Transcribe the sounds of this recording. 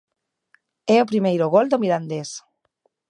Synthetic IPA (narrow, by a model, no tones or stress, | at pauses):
ɛopɾimejɾoɣold̪omiɾand̪es